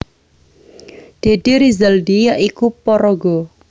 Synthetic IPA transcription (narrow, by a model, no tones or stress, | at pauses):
ɖ̪̥e̤d̪̥iɾizəldijaʔikupɔɾɔɡɔ